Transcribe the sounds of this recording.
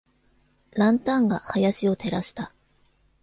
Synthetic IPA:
ɾãnt̪ãŋɡahajaɕio̞t̪e̞ɾaɕi̥t̪a

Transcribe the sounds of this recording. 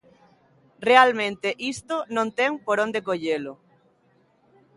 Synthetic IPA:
realmẽnt̪eʔist̪onõnt̪eŋpoɾõnd̪ekoʎelʊ

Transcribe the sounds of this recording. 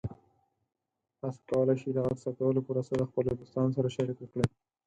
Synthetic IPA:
ast̪ɑlaʃid̪aɣaɾsakawəlopoɾasolaxpəlɪd̪ʊst̪ɑns̬aɾaʃaɾikwəkɽe

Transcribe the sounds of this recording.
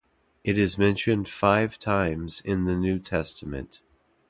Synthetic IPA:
ʔɨɾɨzmɛ̃nʃɨ̃nd̥faɪv̥tʰãɪ̃mz̥ɪ̃nðɨnʉtʰɛstəmɨ̰̃nt

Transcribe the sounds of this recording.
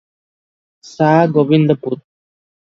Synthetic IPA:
saːɡoʋind̪əput̪̚

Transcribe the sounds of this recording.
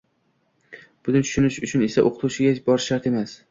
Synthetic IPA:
b̥ʊd̪ɪnt̪t͡ʃ̪ʰʊ̥ʃʊnɪʃʊt͡ʃʰʊne̞saʔoqʰɨ̥t̪ʰuʃɪɡʲabɒɾʃːaɾt̪e̞mas

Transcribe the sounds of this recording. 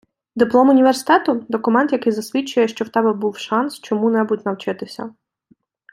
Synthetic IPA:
d̪ɪplˠɔmʊnʲiʋersɪ̥t̪ɛt̪ʊd̪ɔkʊmɛnt̪jɐkɪjzɐsʲʋʲit͡ʃːʊjɛʃt͡ʃɔwt̪ɛbɛbuwʃɑnst͡ʃɔmunɛbutʲnɐwt͡ʃɪt̪ɪsʲɐ̰

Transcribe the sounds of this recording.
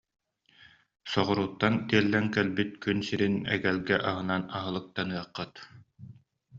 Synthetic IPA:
sɔʁɔɾuːt̪ːant̪iɛlːɛŋkɛlbit̪̚kynsiɾinɛ̰ɡɛlɡɛʔaɦɯnanaɦɯlˠɯk̚t̪anɯɐqːɯt̪

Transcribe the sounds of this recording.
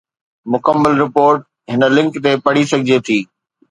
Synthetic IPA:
mʊkəmːəlɾɪpoːɾʈ | ɦɪnə̆lɪ̃ŋkt̪epɐɽ̤isɐɡʱɪd͡ʑet̪ʰiː

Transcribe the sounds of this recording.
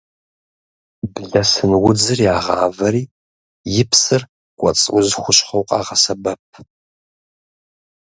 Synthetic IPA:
bɮɐsɨnwʊd͡zɨrjaːʁɑ̰ːvɐɾiː | jɪpʰsɨr | kʷʼɔ̰t͡sʼwʷʊzxʷʊɕχɐwqʼɑ̰ːʁɐsɐbɐp̚ʰ

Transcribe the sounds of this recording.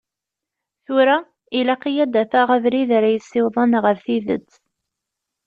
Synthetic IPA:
θuɾa | ilaqijæd̪æfæʁævɾiðaɾæjəsːɪwðˤɑnʁəɾθiðə̰t͡sː

